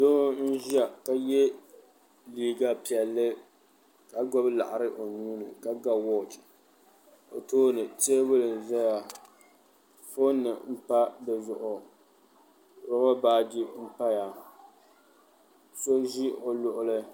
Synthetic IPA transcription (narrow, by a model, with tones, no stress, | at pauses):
do˦n̩˦ʒi˦a˨ka˨jɛ˦ | liː˦ɡa˦pi˨ɛ˨lːɨ˦ | ka˨ɡɔ˦bla̰˨ʔa˨ɾɨ˦ʔo˨nuː˦nɨ˨ka˨ɡa˦wɔ˦t͡ʃ | o˨toː˦nɨ˨te˦bʊ˦lɨ˨n˨zɛ˦ja˨ | fo˦nːɨ˨m̩˦pa˦bɛ˨zʊ˨ʔʊ˨ | ɾʊ˦ɣɔ˦baː˦d͡ʒi˦m̩˦pa˦ja˨ | so˦ʒi˦o˨lʊ˨ʔʊ˦lɨ˦